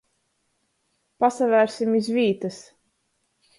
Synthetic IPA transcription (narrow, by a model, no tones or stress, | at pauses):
pasavæɾsimizviːt̪as